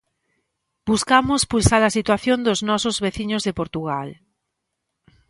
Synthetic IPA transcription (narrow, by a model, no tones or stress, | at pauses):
b̥uskamʊspulsaðɐsit̪waθjond̪ʊznɔsʊzβeθiɲʊzðepoɾt̪uɣ̞al